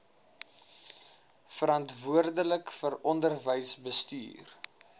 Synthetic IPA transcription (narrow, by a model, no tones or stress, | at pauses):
fəɾɐntvuərdələkfəɾɔndərvəjsbəsty̰ːr